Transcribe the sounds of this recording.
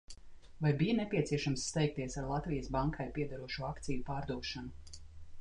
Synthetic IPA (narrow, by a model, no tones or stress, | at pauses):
vajbijanɛpʲiɛt̪siɛʃamsːt̪ɛjk̚t̪iɛsaɾlˠat̪vijɐsbaŋkʰajpiɛd̪aɾuɔʃuakt̪sijupaːɾd̪uɔʃanu